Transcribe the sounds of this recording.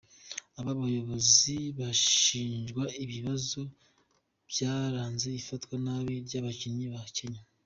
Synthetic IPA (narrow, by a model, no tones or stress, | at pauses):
aβaβajo̞βo̞ziβaʃiːnʒɡwaiβiβazo | b̥jaːɾaːnze̞ifatkwanaβiɾɟaβaciɲiβace̞ɲa